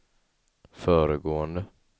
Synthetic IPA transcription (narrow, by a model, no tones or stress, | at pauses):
fœːɾəɡoːənd̪ə